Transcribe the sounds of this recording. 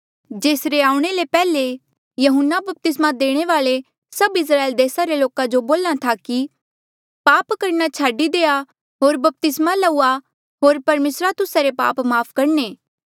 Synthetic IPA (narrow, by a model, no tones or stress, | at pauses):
d͡ʒeːsɾeaːũɽ̃elepɛːle | jɐɦʊnːabɐp̚t̪ɪsmad̪eːɽ̃eʋaːle | sɐbɪs̬ɾaːeld̪eːsaɾeloːkad͡ʒoboːlat̪ʰaki | paːpkɐɾnat͡ʃʰaːɖid̪eːa | ɦoːɾbɐp̚t̪ɪsmalɐua | ɦoːɾpɐɾmeːsɾat̪ʊsaɾepa̰ːpmaːpʰkɐɾneː